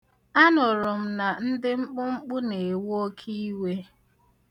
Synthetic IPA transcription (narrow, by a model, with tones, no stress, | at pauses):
a˦nʊ˨ɾʊ˨m̩˦na˨n̩˦dɪ˦ŋ͡m̩˦k͡pʊ˦ŋ͡m̩˦k͡pʊ˦ne˨wu˦o˦kʰi˦i˦we˦